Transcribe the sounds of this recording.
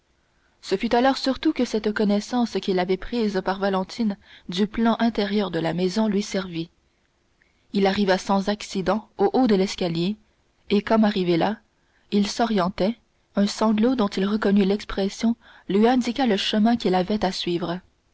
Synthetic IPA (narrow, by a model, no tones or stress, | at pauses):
səfyt̪alɔʁsyʁt̪ukəsɛt̪kɔnɛsɑ̃skʲilavɛpχiːzpaʁvalɑ̃t̪ʰind̪yplɑ̃ʔɛ̃t̪ɛʁjœʁd̪əlamɛzɔ̃lɥisɛʁvi | ilaʁivasɑ̃zaksid̪ɑ̃oʔod̪əlɛskʲaljeː | kɔmaʁivela | ilsɔʁjɑ̃t̪ɛ | œ̃sɑ̃ɡlod̪ɔ̃t̪ilʁəkɔnylɛkspχɛsjɔ̃ | lɥiɛ̃d̪ikaləʃəmɛ̃kʲilavɛt̪asɥiːvʁə